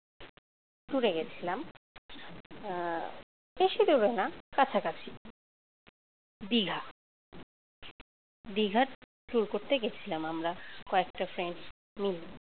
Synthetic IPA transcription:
ʈuɾeɡet͡ɕʰilam | eʃid̪uɾenakat͡ɕʰakat͡ɕʰi | d̪iɡʱa | d̪iɡʱaɾ | ʈuɾkoɾt̪eɡet͡ɕʰilamamɾakoek̚ʈafɾeɳs | mili

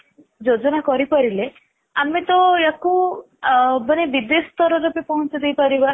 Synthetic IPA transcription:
d͡ʒod͡ʒɔnakɔɾipɔɾile | amet̪ɔeku | bənebid̪esɔt̪ɔɾɔɾepepɔɦɔ̃t͡ʃɔd̪ejpɔɾiba

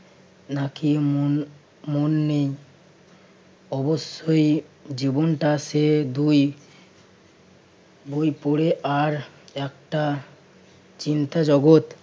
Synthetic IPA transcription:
nakimo | monːej | ɔboʃːojd͡ʑibonʈased̪uj | bujpoɽeʔaɾɛkʈa | t͡ɕint̪ad͡ʑɔɡot̪

